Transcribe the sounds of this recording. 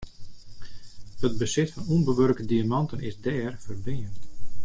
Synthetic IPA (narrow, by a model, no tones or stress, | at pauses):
həd̚bəsɪtfɔnumbəʋørkədiamɑntənɪzdɛːrfərbɪənt